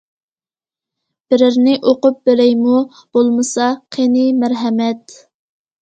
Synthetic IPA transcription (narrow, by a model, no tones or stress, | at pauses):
b̥ɪɾɪɾnɪʔoqʊp̚beɾɛjmu | b̥olˠmɨsɑqʰenɪmæɾɦɛmɛt̪